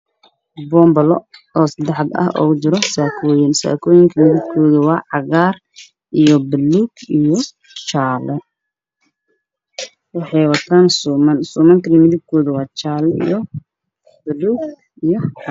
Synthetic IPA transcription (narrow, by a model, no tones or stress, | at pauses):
bɔːmbɐlɔɔːsɐd̪ɛħɑd̪ɐ̰hɔ̰ːt͡ʃɪɾɔsaːkʰɔːjɪnsa̰ːkʰɔːjɪŋkʰɐmɪðɪb̚kʰɔːðɐwɑːʕɑɣaːr | ʔijɔbɐluːɡijɔ | t͡ʃaːlɛ | wɑħɑjwɑt̪ʰaːnsmɐnsʊːmɐnŋk̪ʰɐlimɪðɪb̚kʰɔːðɐwɑːt͡ʃaːlɛḭjɔ | b̥ɐluːɡ | ijɔ